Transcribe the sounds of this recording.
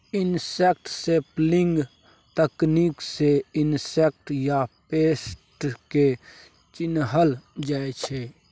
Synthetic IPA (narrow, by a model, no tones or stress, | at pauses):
ɪnsek̚ʈseplɪŋɡ | t̪əknikseɪnsek̚ʈjapeːsʈke | t͡ʃɪnɦəld͡ʒaet͡ʃʰe